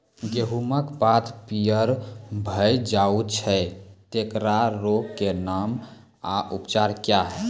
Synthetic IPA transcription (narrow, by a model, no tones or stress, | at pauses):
ɡeɦuməkbat̪pijəɾbʱəjd͡ʒaut͡ʃʰɛt̪ekɾaɾokkenam | aʔupt͡ʃaɾkjaɦɛ